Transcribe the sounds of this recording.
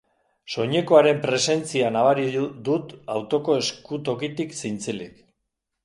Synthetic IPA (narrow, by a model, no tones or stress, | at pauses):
so̞ɲe̞ko̞aɾe̞mpɾe̞se̞nt͡sianaβaɾid̪ut̪awt̪o̞ko̞e̞skut̪o̞kit̪iksint͡selik